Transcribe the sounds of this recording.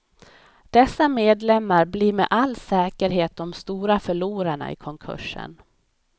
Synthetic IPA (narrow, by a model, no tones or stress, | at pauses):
d̪̥ɛsːameːd̪lɛmːaɾbliːɾmɛ̰ʔalːsɛːkəɾɦeːt̪̚d̪ɔmst̪uːɾafœɭuːɾaɳa̰ɪ̰kʰɔŋkʰɵ̰ʂə̰n